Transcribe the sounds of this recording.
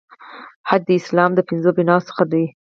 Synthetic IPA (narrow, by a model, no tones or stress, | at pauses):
had̪̚d̪əɪslɑmd̪əpɪnzobinɑsə̥xad̪ai